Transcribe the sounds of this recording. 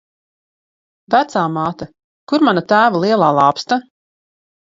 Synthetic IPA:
væt̪saːmaːt̪a | kuɾmanat̪æːvalˠiɛlˠaːlˠɑːpst̪a

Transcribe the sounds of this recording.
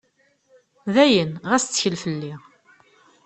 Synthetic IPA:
ðæjənʁæst͡s̪ːçəlfəlːiʁ

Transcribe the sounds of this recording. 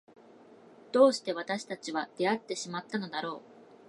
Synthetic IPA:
d̪̥o̞ːɕi̥t̪e̞β̞at̪aɕi̥t̪at͡ɕiβad̪̥e̞at̪ːe̞ɕimat̪ːano̞d̪aɾo̞ː

